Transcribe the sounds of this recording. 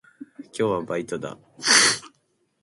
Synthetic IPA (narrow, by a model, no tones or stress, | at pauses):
kʲo̞ːβabait̪od̪a̰